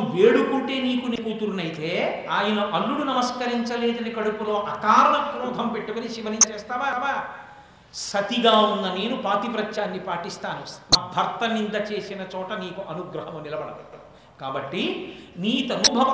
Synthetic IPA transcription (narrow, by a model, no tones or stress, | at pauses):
ʋeːɽukuːʈe̞ːniːkunikuːt̪uɾunɐjit̪e̞ːaːjɐnɐʔɐlːuɽunɐmɐskɐɾiɲt͡ʃɐleːd̪ɐnikɐɽupulo̞ːʔɐkaːɾɐɳɐkɾuːd̪ʱɐmpeʈːukoniʃiʋɐniɐt͡ʃɛːst̪aːʋaːʋaː | sɐt̪iɡaːund̪ɐne̞ːnupaːt̪ipɾɐt͡ʃʃaːnːipaːʈist̪aːnunɐbʱɐɾt̪ɐnind̪ɐt͡ʃe̞ːsinɐt͡ʃɔːʈɐniːkuʔɐnuɡɾɐɦɐmɐnilɐbɐɽɐd̪ɛ | kaːbɐʈːiniːt̪ɐnubʱɐɐ